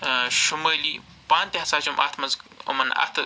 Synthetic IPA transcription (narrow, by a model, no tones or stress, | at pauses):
ʃumɐli | paːnt̪eɦɐsaːt͡ʃumʔa̰t̪ʰmɐzkɐ̰mɐna̰t̪